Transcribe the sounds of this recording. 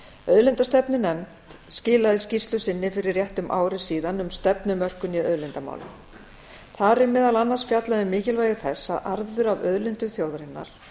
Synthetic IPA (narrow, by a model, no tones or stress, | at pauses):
œðlɪnt̪ast̪ɛpnɪnɛmtt̪scɪːlaðɪscist̪lʏsɪnːɪfɪɾɪɾrjɛht̪ʏmʔa̰ːwɾɪsiːðanʏmst̪ɛpnʏmœr̥kʏniœðlɪnt̪ama̰ːwlʏ̰m | θaɾɪmɛːðalanːasfjat̪laðɪmɪːcɪlvaːjɣɪθɛsːaðʔaɾðʏɾavœðlɪnt̪ʏθjoːwðɾɪnːa̰ɾ̥